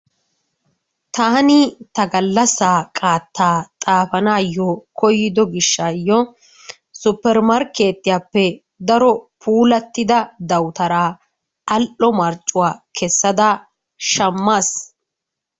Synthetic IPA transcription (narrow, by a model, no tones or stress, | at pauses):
t̪aːnɪt̪ɐɡɐlːɐsaːkʼaːt̪ːaːt̪ʼaːfɐnaːjːɔkɔjːɪd̪ɔɡɪʃːaːjːɔ | sʊpːɛɾmɐɾkːe̞ːt̪ːɪjaːpːɛ | d̪ɐɾɔpʰuːlɐt̪ːɪd̪ɐd̪ɐwt̪ɐɾaː | ɐlʔɔmɐɾt͡ʃʼːʊwaːkʰɛsːɐd̪ɐ | ʃɐmːaːs